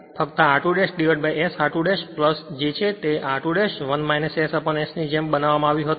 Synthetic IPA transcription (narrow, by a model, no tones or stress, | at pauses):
fʰəkt̪aaʈuɽesɖiʋəʈ̚bajesaʈuɽeʃpləsd͡ʒet͡ʃʰet̪eʔaʈuɽeʃʋənmajnəsesəpəɳesnid͡ʒembənaʋamãaʋjũɦət̪